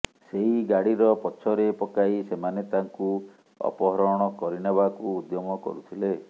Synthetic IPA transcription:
seɦiɡaɽiɾɔpɔt͡ʃʰɔɾepɔkaisemanet̪aŋku | ɔ̰pɔɦɔɾɔɽ̃ɔkɔɾinebakuːd̪jɔmɔkɔ̰ɾut̪ʰile

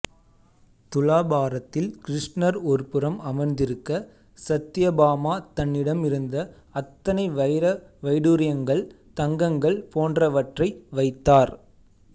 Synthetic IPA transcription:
t̪ʊlaːbaːɾɐt̪ːɪlkɪɾɪʂnɐɾɔɾpɯɾɐmɐmɐɾnd̪ɪɾɯkːɐ | sɐt̪ːɪjɐbaːmaːt̪ɐnːɪɽɐmɪɾɯnd̪ɐ | ɐt̪ːɐnɐɪʋɐjɾɐʋɐɪɽuɾɪjɐŋɡɐɭ | t̪ɐŋɡɐŋɡɐɭpoːndrɐʋɐʈrɐɪʋɐɪt̪ːaːɾ

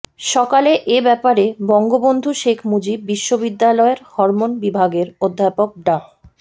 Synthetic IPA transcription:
ʃɔkaleʔebɛpaɾebɔŋɡobond̪ʱuʃekʰmud͡ʑibːiʃːobid̪ːalɔeɾhɔɾmonbibʱaɡeɾod̪ʱːapok̚ɖa

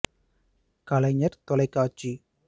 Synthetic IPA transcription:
kɐlɐɲɐɾt̪ɔlɐɪkːaːt͡ʃːi

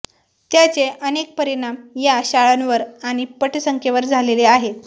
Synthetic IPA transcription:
t̪jat͡seʔənek̚pəɾiɽ̃amjaɕaɭanʋəɾaɽ̃ipəʈʰsəŋkʰjeʋəɾd͡zʱaleleaɦe

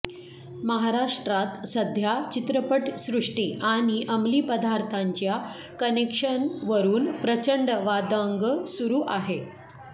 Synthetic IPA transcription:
məɦaɾaʂʈɾat̪səd̪ʱjat͡ɕit̪ɾəpəʈsɾuʂʈiːʔaɽ̃iʔəmliːpəd̪aɾt̪ʰaɲt͡ɕja | kənekʂənʋəɾuːnpɾət͡ɕəɳɖʋad̪aŋɡsuɾuːʔaɦe

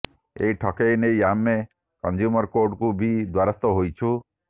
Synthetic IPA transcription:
ḛjʈʰɔkejnejamːe | kɔnd͡ʒjumɔɾkoɾɖkubʱid̪waɾɔst̪ɔɦojt͡ʃʰu

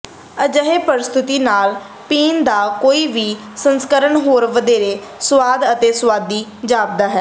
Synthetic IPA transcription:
əd͡ʒəɦeːpəɾɪst̪ʰɪt̪iːnaːl | piːnd̪aːkoːiːʋiː | sənskəɾəɳɦoːɾʋəd̪eːɾeːsʋaːd̪ət̪eːsʋaːd̪iːd͡ʒaːb̚d̪aːɦɛː

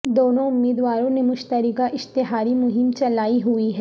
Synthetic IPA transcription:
d̪oːnõʊmːiːd̪ʋaːɾõnemʊʃt̪əɾɪkaʔɪʃt̪ɪɦaːɾimʊɦɪmt͡ʃɐlaːiɦuiɦɛ

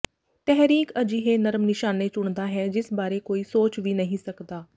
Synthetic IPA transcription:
t̪ɛɦɾiːkəd͡ʒiːɦeːnəɾəmnɪʃaːneːt͡ʃʊɳ̃d̪aːɦɛːd͡ʒɪsbaːɾeːkoːiːsoːt͡ʃʋiːnəɦĩːsəkd̪aː

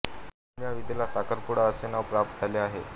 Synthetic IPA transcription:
njaʋid̪ʱelasakəɾpuɽaəsenaʋpɾap̚t̪̚d͡zʱaleaɦe

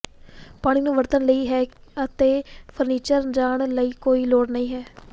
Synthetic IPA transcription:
paːɽ̃ɪnũːʋəɾt̪ənləiːɦɛːət̪eːpʰəɾniːt͡ʃəɾd͡ʒaːɳləiːkoːiːloːɽnəĩːɦɛː

